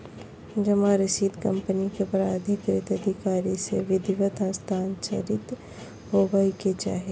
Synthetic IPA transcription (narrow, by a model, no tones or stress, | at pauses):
d͡ʒɐmaɾɪʃiːd̪ʱkɐ̃mpənikepɾad̪ʱɪkɾɪt̪ɐd̪ʱɪkaːɾiseʋɪd̪ʱɪʋət̪ə̃st̪ʰaːnt͡ʃə̰ɾɪt̪ | ɦoːbaːiket͡ʃa̰ːɦe